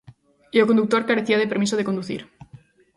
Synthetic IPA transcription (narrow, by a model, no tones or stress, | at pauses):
iokond̪uk̚t̪o̞ɾkaɾeθiað̞ep̬eɾmisoð̞eko̞nd̪uθḭɾ